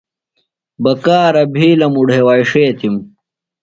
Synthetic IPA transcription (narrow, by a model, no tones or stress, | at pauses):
bɐkaːɾɐbʱiːlɐmuɽɦewaːjʂeːt̪ʰim